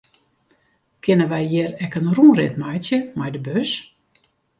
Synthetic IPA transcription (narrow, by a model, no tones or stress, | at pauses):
kʰɪnəʋɛjjɪɾɛkənruːrɪ̰tmajsjəmajdəbøs